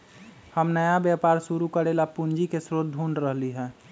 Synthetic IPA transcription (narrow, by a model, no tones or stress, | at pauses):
həmnəjabjapaɾsuɾukəɾelapund͡ʒikesɾot̪̚d̪ʱunɖɾəɦliɦɛ̃ː